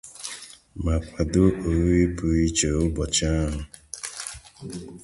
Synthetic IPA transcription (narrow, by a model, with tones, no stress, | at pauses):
ma˨pʰa˨dʊ˦o˨ɾi˦pu˨i˦t͡ʃe˨ʊ˦bɔ˨t͡ʃa˦ɦʊ˨